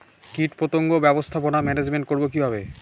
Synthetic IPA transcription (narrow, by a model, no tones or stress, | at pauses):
kiʈpɾot̪oŋɡobɛbost̪ʰaponamɛned͡ʑmenʈkoɾbokibʱabe